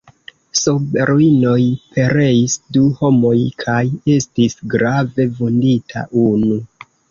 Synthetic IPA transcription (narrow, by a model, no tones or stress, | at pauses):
sobeɾuino̞jpe̞ɾe̞isduho̞mo̞jkʰaje̞stisɡɾave̞vonditʰa̰ʔunu